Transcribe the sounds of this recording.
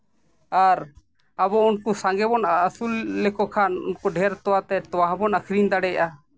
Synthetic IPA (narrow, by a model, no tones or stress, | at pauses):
aɾ | abɔunkusaŋɡɛbɔnəsulːɛkɔkʰanṵnkɔɖʱɛɾt̪ɔwat̪ɛt̪ɔwaɦãbɔnakʰɾind̪aɽɛja̰ʔa